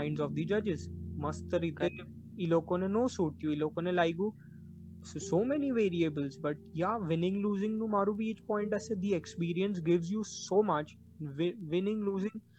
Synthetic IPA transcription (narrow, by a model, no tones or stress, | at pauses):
ɪ̃ɳɖzɔfd̪id͡ʒɐd͡ʒɪzmɐst̪əɾit̪e | iloːkõnenoːsuːʈ̚t̪ʰijuiloːkõnelaːiɡu | sosoːmɛniʋeːɾiebəlzbɐʈ̚jaʋɪnɪ̃ŋluːzɪ̃ŋnumaɾubiɪt͡ʃpɔ̃ɪ̃ɳʈased̪iekspiːɾiə̃ns̬ɡɪʋzjuːsoːmɐt͡ʃ | ʋɪʋɪnɪ̃ŋluːzɪ̃ŋ